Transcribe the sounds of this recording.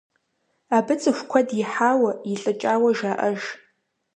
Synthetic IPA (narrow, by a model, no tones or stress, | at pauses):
abɨt͡sʼɨxʷkʷʰadiħaːwaiɬʼɨt͡ʃʼaːwɐʒaːʔɐʒ